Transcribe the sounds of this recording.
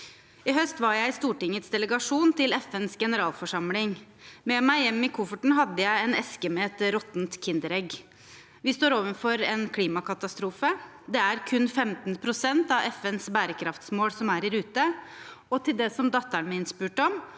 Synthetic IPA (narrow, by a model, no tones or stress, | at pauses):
ɪɦœst̪ʋɑɾjæɪst̪uːʈɪŋːət̪sd̪ɛləɡɑʂuːnt̪ɪlɛfɛnsɡɛnəɾɑːlfɔʂɑmlɪŋ | mɛmæɪjɛmːɪkʰʊfəʈɳ̩ɦɑd̪ːəjæɪɛnɛskəmɛɛt̪ɾɔt̪nt̪kʰɪnd̪əɾɛɡ | ʋɪst̪oːɾoːʋənfɔɾɛnkʰliːmɑkʰɑt̪ɑst̪ɾuːfə | d̪ɛæɾkʰʉnːfɛmt̪npʰɾʊsɛnt̪ɑʋɛfɛnsbæːɾəkʰɾɑft̪smoːlsɔmæɾɪɾʉːt̪ə | ɔt̪ʰɪld̪ɛsɔmd̪ɑt̪ːəɳmɛɪnspʉːʈɔm